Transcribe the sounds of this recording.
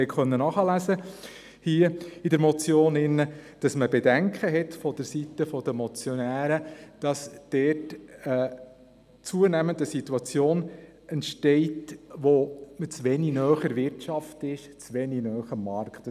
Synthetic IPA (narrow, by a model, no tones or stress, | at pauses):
ɛkχœnːənɑχəlæsə | hiːəidəɾmɔt͡sjoːnɪnːəd̥ɑsməbɛdæŋkχəɦɛtfɔd̥əɾsitəfɔd̥̪əmɔt͡sjɔnæːɾəd̥ɑsd̥ɛːtə | t͡suənæməndəsit̪ːuɑt͡sjoːn | ɛntʃtɛɪtʋomɪt͡sʋɛninœːχəɾʋɪɾtt͡ʃɑftɪʃ | t͡sʋɛninœːχəmːɑɾkt